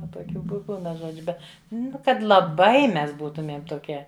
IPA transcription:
ˈʋɐ toːˈkʲuː bʊ ˈpʲɪlˠnɐ ˈʒoːd͡ʒʲʊ ˈbʲɛt ˈnʊ ˈkɐt lˠɐˈbɐɪ ˈmʲɛs ˈbuːtʊmʲiɛm toːˈkʲiɛ

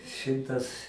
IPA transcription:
ˈʃʲɪmtɐs

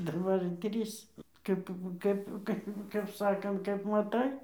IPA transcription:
dɐˈbɐr ɪr ˈtʲrʲiːs ˈkɐp ˈkɐp ˈkɐp ˈkɐp ˈsɑːkɐnt kɐp mɐˈtɐɪ

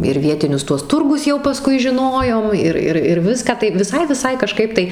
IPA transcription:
ɪr ˈʋʲiɛtʲɪnʲʊs ˈtuɔs ˈtʊrɡʊs jɛʊ pɐˈskʊɪ ʒʲɪˈnoːjoːm ˈɪr ˈɪr ɪr ˈʋʲɪskɑː tɐɪ ʋʲɪˈsɐɪ ʋʲɪˈsɐɪ kɐˈʃkɐɪp tɐɪ

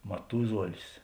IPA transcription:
mɐˈtʊzuɔlʲɪs

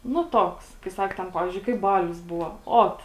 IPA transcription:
nʊ ˈtoːks kɐɪ ˈsɐk tʲɛn ˈpɑːʋʲɪzʲd͡ʒʲʊɪ kɐɪp ˈbɑːlʲʊs ˈbʊʋoː ˈoːt

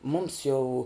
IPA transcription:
ˈmʊms jɛʊ

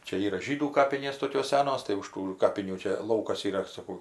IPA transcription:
ˈt͡ʃʲɛ ˈiːrɐ ˈʒʲiːduː ˈkɑːpʲɪnʲeːs ˈtoːkʲoːs ˈsʲæːnoːs tɐɪ ʊʃ ˈtuː ˈkɑːpʲɪnʲuː ˈt͡ʃʲɛ ˈlˠɐʊkɐs iːˈrɐ sɐˈkɐʊ

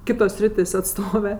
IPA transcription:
ˈkʲɪtoːs ˈsʲrʲɪtʲeːsʲ ɐtˈstoːʋʲɛ

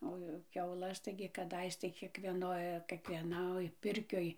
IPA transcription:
oː ˈjɛʊ kʲɛʊˈlˠɐs ˈtɐɪɡʲɪ kɐˈdɐɪs tɐɪ kʲiɛkˈʋʲiɛnoːj kʲiɛkʋʲiɛˈnoːj ˈpʲɪrʲkʲoːj

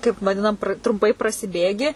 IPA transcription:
kɐɪp ʋɐˈdʲɪnɐm trʊmˈpɐɪ prɐsʲɪˈbʲeːɡʲɪ

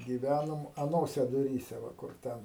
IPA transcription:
ɡʲiːˈʋʲænoːm ɐˈnoːsʲɛ dʊˈrʲiːsʲɛ ˈʋɐ ˈkʊr ˈtʲɛn

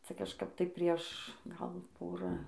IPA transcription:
ˈt͡sɐ kɐʃˈkɐp tɐɪ ˈpʲrʲiɛʃ ˈɡɐlˠ ˈpoːrɐ

